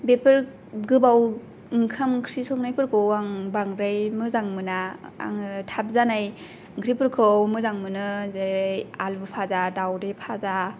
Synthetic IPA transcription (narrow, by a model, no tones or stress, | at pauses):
bepʰɯɾ | ɡɯbaw | iŋkʰamkʰɾisɔk̚najpɯɾkʰɯwaŋbaŋɾajmɯzaŋmɯnaa̰ŋtʰap̚zanaj | ŋkʰɾipʰɯɾkʰɯwmɯzaŋmɯnɯzejalbɯpʰazadawɾepʰaza